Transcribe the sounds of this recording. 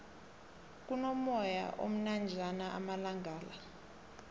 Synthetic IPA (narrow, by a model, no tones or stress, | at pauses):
k̬ʼunomɔja̰ʔo̰m̩nand͡ʒʱanaʔa̰malaŋɡʱaːla